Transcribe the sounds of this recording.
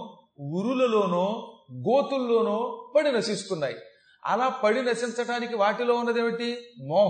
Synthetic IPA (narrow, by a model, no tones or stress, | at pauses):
uɾulɐlo̞ːnoːɡoːt̪ulːo̞ːnoːpɐɽinɐʃist̪unːaːjḭ | ɐ̰laːpɐɽinɐʃint͡ʃɐʈaːnikiʋaːʈilo̞ːunːɐd̪eːʋiʈimɔːɦ